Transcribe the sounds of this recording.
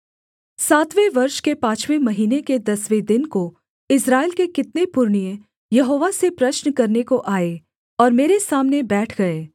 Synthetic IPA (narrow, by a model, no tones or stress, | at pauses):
saːt̪ʋeʋɐɾʃkepãːt͡ʃʋemɐɦiːneked̪ɐsʋed̪ɪnko | ɪsɾaːelkekɪt̪nepʊɾɳijə̃ | jɐɦoːʋasepɾɐʃnkɐɾnekoʔaːe | ɔːɾmeːɾesaːmnebɛːʈʰɡɐeː